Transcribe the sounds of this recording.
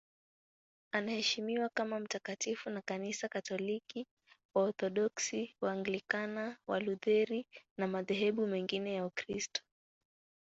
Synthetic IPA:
anahɛʃimiwakamam̩takatifunakanisakatɔliki | waɔɾθɔɗɔksiwaːŋɡlikanawa̰luðɛɾinamaðɛɦɛɓumɛŋɡinɛjaukɾistɔ̥

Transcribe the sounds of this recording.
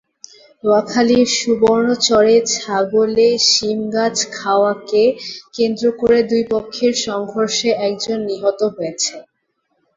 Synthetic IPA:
ɾoakʰaliɾʃuboɾnot͡ɕɔɾet͡ɕʰaɡoleʃimɡad͡ʑkʰaoakekend̪ɾokoɾed̪ujpokʰːeɾʃɔŋɡʱoɾʃeʔɛk̚d͡ʑonːiɦot̪oɦojet͡ɕʰe

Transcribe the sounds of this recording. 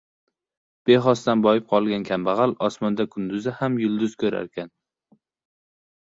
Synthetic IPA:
b̥e̞ɦɒst̪anbɒjɪp̚qʰɒlˠɡʲankʲʰambɑʁɑlɒsmɒnd̪akʰʊnd̪ʊzɪhamjʊlˠd̪ʊz̥kʰɵɾa̰ɾkʲʰan

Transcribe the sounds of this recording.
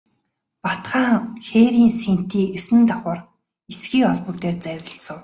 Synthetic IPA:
pɔt̪χaːŋxeːɾiːnsen̥t̪iːʔɵsɘ̆nt̪ɔχʊ̆ːr | esɡiːkɔɮpɵ̆kt̪eːrt͡sæwʲrʲə̆ɬsə̆w

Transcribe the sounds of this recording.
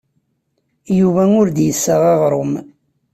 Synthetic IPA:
juvæʊɾd̪jəsːaʁɑʁɾˤʊm

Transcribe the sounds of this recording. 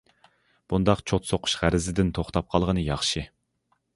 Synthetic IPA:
b̥und̪ɑqt͡ʃʰot̪soqʰʊ̥ʃʁæɾɪzɪd̪ɪnt̪ʰoχt̪ɑp̚qʰɑlˠʁənɨjɑχʃɨ

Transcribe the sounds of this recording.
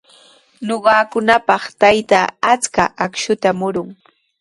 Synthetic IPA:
noɢɑːkʊnapɑχt̪ajt̪aat͡skaʔakʃʊt̪amʊɾʊŋ

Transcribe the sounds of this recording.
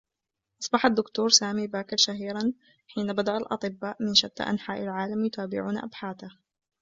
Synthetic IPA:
ʔɑsˤbɑħad̪ːʊkt̪uːɾˤsaːmiːbaːkɪɾˤʃaɦiːɾˤɑn | ħiːnabad̪aʔalʔɑ̰t̪ˤɨbːaːʔmɪnʃad̪ːa̰ʔa̰nħaːʔalʕaːlamjʊt̪ʰaːbɪ̰ʕuːnʔa̰bħaːt̪a

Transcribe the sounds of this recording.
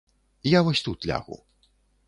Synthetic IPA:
ijavɔsʲt̪ut̪lʲa̰ɣṵ

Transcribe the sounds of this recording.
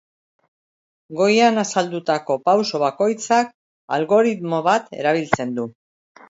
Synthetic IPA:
ɡo̞janasald̪ut̪ako̞pawso̞β̞ako̞jt͡sak̚ | alɣo̞ɾit̪mo̞βat̪e̞̰ɾaβ̞ilt͡se̞nd̪u

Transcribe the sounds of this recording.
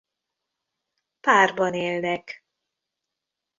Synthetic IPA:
paːrbɒneːlnɛk

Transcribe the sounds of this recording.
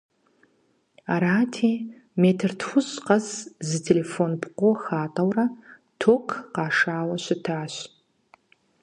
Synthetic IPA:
aɾaːtʰeː | meːtʰɨrtʰxʷʊzqɐzzɨtʰelefonpʰqʷʊxaːtʼɐwrɐ | tʰokʰqɑːʂaːwɐɕɪtʰaːɕ

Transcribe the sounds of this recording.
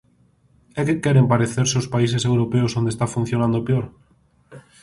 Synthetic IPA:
ɛkekɛɾempaɾeθeɾseospais̬esewɾopeosond̪est̪afun̟θjonãnd̪opeoɾ

